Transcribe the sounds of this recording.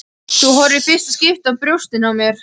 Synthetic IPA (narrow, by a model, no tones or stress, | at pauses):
θuɦɔɾɪfɪst̪ascɪft̪avpɾjowst̪ɪnawmjɛɾ̥